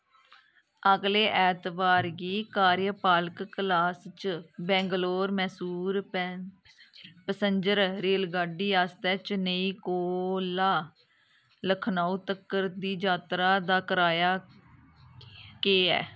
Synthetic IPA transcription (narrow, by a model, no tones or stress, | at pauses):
əɡleːʔɛːt̪baːɾɡiːkaːɾjəpaːlkːlaːst͡ʃbɛ̃ːŋɡloːɾmɛːsuːɾ | pəsəɲd͡ʒəɾɾeːlɡaːɖiːaːst̪ɛːt͡ʃnəĩːkoːlaː | ləkʰnaːuːt̪əkːəɾd̪iːd͡ʒaːt̪ɾaːd̪aːkəɾaːjaː | keːɛ̰ː